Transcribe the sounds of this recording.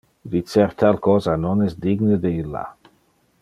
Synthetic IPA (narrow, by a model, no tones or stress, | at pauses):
vit̪t͡seɾt̪alkɔːzanonɛsd̪iɡned̪eilːa̰